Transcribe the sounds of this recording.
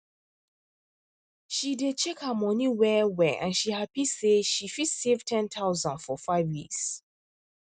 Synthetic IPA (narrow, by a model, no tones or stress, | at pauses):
ʃidet͡ʃʰekhəmɔ̃niwɛwɛʔã̰nʃihapiseʃifitsev̥tʰɛ̃ntʰaʊzãnfɔfaɪvwiks